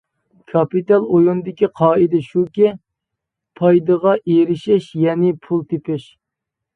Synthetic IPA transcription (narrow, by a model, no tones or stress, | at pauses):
kʰɑpit̪ɑlˠojund̪ɪkʲiqʰɑːid̪ɛʃukʲɛ | pʰɑjd̪əʁɑʔeɾɪʃɪʃjɛnɪpʰulˠt̪epɪʃ